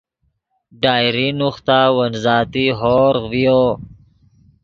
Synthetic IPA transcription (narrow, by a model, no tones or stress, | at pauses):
ɖaːjɾinuxt̪awənzɑːt̪iɦoɾvijo